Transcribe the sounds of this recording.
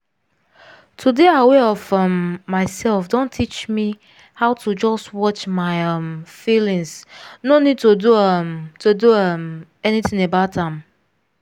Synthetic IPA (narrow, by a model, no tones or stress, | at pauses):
tʰudeaweɔvʌmːaɪsɛlˠfdõntʰːit͡ʃmi | haʊtʰud͡ʒɔstwɔt͡ʃmaɪʌmfilĩŋsnonid̚toduʌmtʰoduʌm | ɛniθɪ̃ŋebaʊtãm